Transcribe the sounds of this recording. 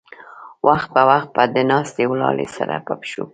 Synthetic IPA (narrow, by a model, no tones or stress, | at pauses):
wʔaxt̪̚pəwaxt̪̚pad̪ənɑst̪ewlɑlesaɾapapʃu